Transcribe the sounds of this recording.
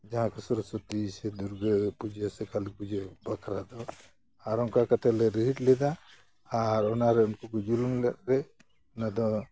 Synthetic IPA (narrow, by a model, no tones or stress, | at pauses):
d͡ʒaɦãkesɔɾɔsɔt̪isɛd̪uɾɡəpud͡ʒesɛkalik̚pud͡ʒɛbakʰɾad̪ɔ | aɾɔŋkakat̪ʰalɛɾiɦiʈlɛd̪aː | ɾɔnaɾɛunkukɔd͡ʒuluŋlɛʔ̚ɾɛ | ɔnad̪ɔ